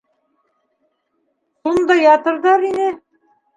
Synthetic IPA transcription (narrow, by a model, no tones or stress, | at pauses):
ʃund̪ɑjɑt̪ɤ̆ɾðɑɾinɘ